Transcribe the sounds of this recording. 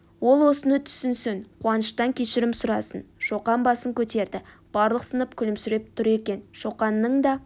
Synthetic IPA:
wo̞lˠwo̞sənət̪ʰʏ̥sɪnsɪnqʰuwɑnəʃt̪ɑŋkʲʰeʃɪɾɪmsʊɾɑsənʃo̞qɑnbɑsəŋkʲʰɵt̪e̞ɾd̪ɪ | b̥ɑɾlˠəqsənəp̚kʲʰʏlɪmsʏɾep̚t̪ʰʊɾe̞kʲe̞nʃo̞qɑnːəɴd̪ɑ

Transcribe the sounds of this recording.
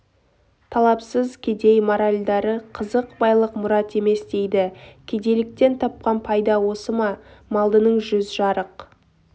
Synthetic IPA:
t̪ʰɑlˠɑpsəzkʲʰed̪e̞jmoɾalʲd̪ɑɾəqʰəzəqbɑjlˠəqmʊɾɑt̪e̞me̞sd̪e̞jd̪ɪkʲʰed̪e̞lɪk̚t̪e̞nt̪ʰɑp̚qɑnpʰɑjd̪ɑwo̞səmɑmɑlˠd̪ənəɴʒʏzʒɑɾəq

